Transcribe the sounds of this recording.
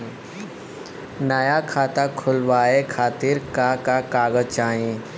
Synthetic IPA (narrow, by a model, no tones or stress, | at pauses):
nəjakʰaːt̪akʰʊlʋaːekʰaːt̪iɾkakakaːɡəd͡ʒt͡ʃaːẽ